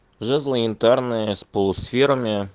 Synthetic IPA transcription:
ʐɛzlˠəɪnt̪arnɨjəspolˠʊsfʲeɾəmʲɪ

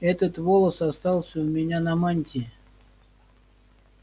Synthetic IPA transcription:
ɛt̪ət̪volˠəsɐst̪ɑlˠsʲəʊmʲɪnʲanɐmanʲt̪ʲɪ

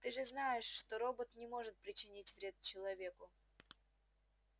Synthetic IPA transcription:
t̪ɨʐɨznajɪʂːt̪oɾo̞bət̪nʲɪmo̞ʐɨt̪̚pɾʲɪt͡ɕɪnʲitʲvɾʲe̞t̪t͡ɕɪlˠɐvʲe̞kʊ

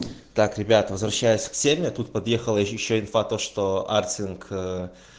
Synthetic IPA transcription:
t̪akɾʲɪbʲat̪vəzvɾɐɕːæjɪsʲksʲemʲɪat̪ut̪̚pɐd̪jexəlˠəjɪɕːoɪnfat̪oʂt̪oartʲɪnkʰə

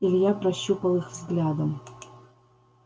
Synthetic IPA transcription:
ilʲjaprɐɕːupə̆lˠɨxvzɡlʲad̪ə̆m

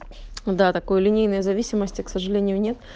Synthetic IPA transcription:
d̪at̪ɐko̞jlʲɪnʲejnəjəzɐvʲisʲɪməsʲtʲɪksəʐɨlʲenʲɪjʊnʲe̞t̪

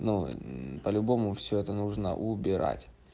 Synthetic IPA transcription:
nupəlʲʊbo̞mʊfsʲɵɛt̪ənuʐnə̰ʔʊbʲɪɾa̰tʲ

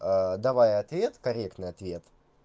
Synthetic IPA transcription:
əd̪ɐvajɐt̪vʲe̞t̪kɐɾʲekt̪nɨjɐt̪vʲe̞t̪

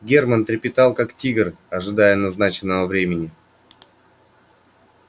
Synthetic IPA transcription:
ɡʲermənt̪ɾʲɪpʲɪt̪ɑlˠkaktʲiɡər | ɐʐɨd̪ajənɐznat͡ɕɪnːəvəvɾʲemʲɪnʲɪ

